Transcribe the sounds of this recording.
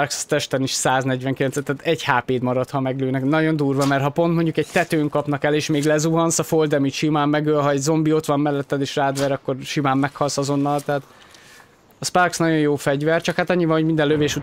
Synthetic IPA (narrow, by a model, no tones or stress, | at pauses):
rkst̪ɛʃt̪ɛniʃsaːznɛɟʋɛŋkilɛnsɛt̪ːɛt̪ɛɟhaːpeːd̪mɒɾɒt̪hɒmɛɡløːnɛknɒɟo̞nd̪uːrvɒmɛrt̪hɒpont̪mo̞ɲɟukɛɟ̚t̪ɛt̪øːŋkɒpn̪ɒkɛleːʃmeːɡlɛzuɦɒnsɒfold̪ɛmicʃimaːmːɛɡøːlɦɒɛɟzo̞mbio̞t̪ʋɒmːɛlːɛt̪ːɛd̪eːʃraːd̪ʋɛɾɒkːo̞rʃimaːmːɛkhɒlsɒzo̞nːɒlt̪ɛɦat̪ | ɒsparksnɒɟo̞jjoːfɛɟvɛrt͡ʃɒkhat̪ɒɲːivɒnhoɟmind̪ɛlløveːʃu